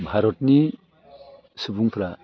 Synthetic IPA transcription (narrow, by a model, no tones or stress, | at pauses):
bʱaɾɔtni | sɯbuŋpʰɾa